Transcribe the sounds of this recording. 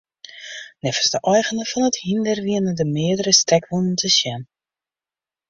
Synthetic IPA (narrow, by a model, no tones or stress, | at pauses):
nɛfə̥sdəʔɔjɣənəfɔnəthindərʋiənədəmɪədəɾəstɛkʋunəntʰəsjɛn